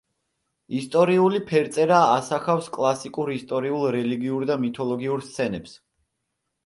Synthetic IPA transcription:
ist̪ʼɔɾiulipʰɛɾt̪sʼɛɾaːsaχafskʼlˠasikʼuɾist̪ʼɔɾiulˠɾɛliɡiuɾd̪amit̪ʰɔlˠɔɡiuɾst̪sʰɛnɛps

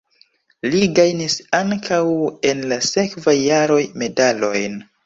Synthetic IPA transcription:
liɡajnisaŋkʰawe̞nlase̞kvajːaɾo̞jme̞dalo̞jn

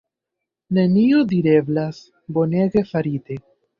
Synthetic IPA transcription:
ne̞nio̞diɾe̞blas | bo̞ne̞ɡe̞faɾite̞

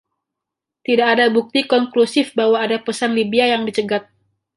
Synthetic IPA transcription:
t̪idakːdabuk̚t̪ikɔŋklusɪfbaɦwaːdapəsanlibiajaŋdit͡ʃəɡat̪̚

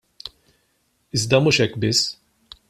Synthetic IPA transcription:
ɪzd̪ɐmuːʃɛkːbɪsː

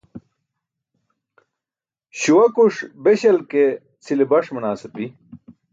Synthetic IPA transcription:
ɕuwɐkuʂbeɕɐlke | t͡sʰilibɐʂmunaːsɐpi

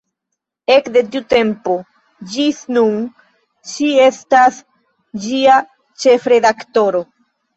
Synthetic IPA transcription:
e̞kde̞tiute̞mpo̞ | d͡ʒisnun | ʃie̞stas | d͡ʒia | t͡ʃe̞fɾe̞dakto̞ɾo̞

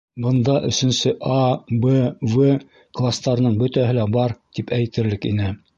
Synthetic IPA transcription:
bɤ̆nd̪ɑʔɵ̆sɵ̆nsɘʔɑbɤvɤ | klˠast̪ɑɾɤnɤɴbɵt̪æɦɘlæbɑɾt̪ipæjt̪ɘ̆ɾlɘkḭnɘ

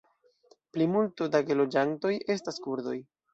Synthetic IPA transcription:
plimultudaɡelo̞d͡ʒanto̞jʔe̞staskuɾdo̞j

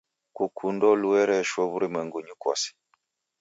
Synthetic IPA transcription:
kukʰundɔluɛɾɛʃwɔβuɾimɛŋɡuɲukwɔ̰si̥

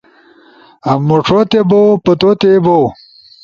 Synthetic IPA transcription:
ɐmːoʈ͡ʂʰot̪ebowpɐt̪ot̪ebow

